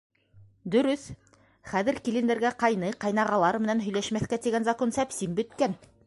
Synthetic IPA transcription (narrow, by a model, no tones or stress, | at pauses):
d̪ɵ̆ɾɵθ | χæðɘ̆ɾkilɘ̆nd̪ɘ̆ɾɡæqɑjnɤqɑjnɑʁɑlˠɑɾmɘ̆nænɦɵ̆jlæʃmæθkæt̪iɡænzɐkonsæpsimbɵ̆t̪kæn